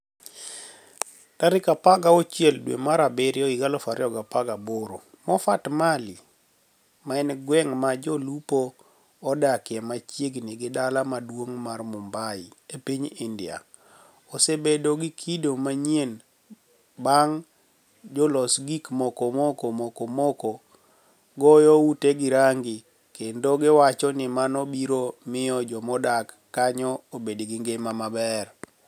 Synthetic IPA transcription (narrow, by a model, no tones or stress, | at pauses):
taɾɪkapaɡaɔt͡ʃjɛldwḛmaɾabɪɾɪɔiɡalɔfaɾɪɔɡapaɡaboɾo | mɔfatmali | maɛnɡwɛŋmad͡ʒɔlupoː | dakjɛmat͡ʃjeɡniɡɪdalamadwoŋmarmʊmbaɪepiɲindɪa̰ | ɔsebedoɡɪkʰidomaɲjen | baŋ | d͡ʒɔlɔsɡikmɔkɔmɔkɔmɔkɔmɔkɔ | ɡɔjɔuteɡɪɾaŋɡɪ | kendoɡɪwat͡ʃɔnɪmanɔbiɾomɪɔd͡ʒɔmɔdakːaɲɔobedɡɪŋɡemamabɛr